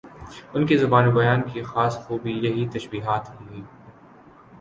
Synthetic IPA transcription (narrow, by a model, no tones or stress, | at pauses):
ʊnkizʊbaːnobɐjaːnkixaːsxuːbijɐɦit̪ɐʃbiːɦaːt̪ɦĩiː